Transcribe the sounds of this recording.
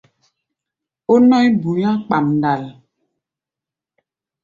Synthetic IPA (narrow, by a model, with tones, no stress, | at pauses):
o˦nɔ˦jbu˨jã˦k͡pa˨mn˨da˨l